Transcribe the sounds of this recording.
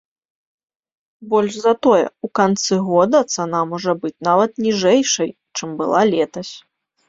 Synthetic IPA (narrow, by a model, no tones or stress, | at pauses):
bɔlʲʂzɐt̪ɔjɛ̰ukant̪sɨɣɔd̪ɐt̪sanamɔʐɐbɨt͡sʲnavɐt̪nʲiʐɛjʂɐj | t͡ʂɨmbɨlˠalʲɛt̪ɐsʲ